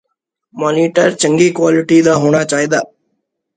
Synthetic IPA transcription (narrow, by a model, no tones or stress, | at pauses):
maːniːʈəɾt͡ʃəŋɡiːkwaːlɪʈiːd̪aːɦoːɽ̃aːt͡ʃaːɦid̪aː